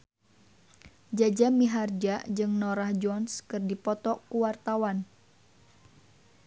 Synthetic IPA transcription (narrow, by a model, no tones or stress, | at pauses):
d͡ʒad͡ʒamiɦard͡ʒad͡ʒɨŋnɔɾahd͡ʒɔnskɨrdipɔt̪ɔkuwart̪awan